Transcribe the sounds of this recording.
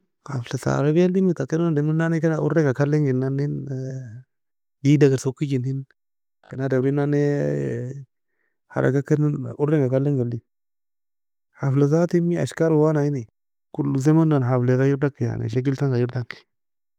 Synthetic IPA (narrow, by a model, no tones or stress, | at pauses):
ha̰fleta̰ɾebaldimitakindaminanekanaṵɾeŋɡakaleŋɡinːanin | jidaɡasokːid͡ʒinhin | kanadaɾinane | ha̰ɾa̰ɡakənuɾeŋɡakaleŋɡaldi | haflazatimia̰ʃkaɾuwanajini | kulːuzemandanafleɣajiɾdakːija̰nḛʃ̬aɡ̬iltaŋɡajiɾdakːi̥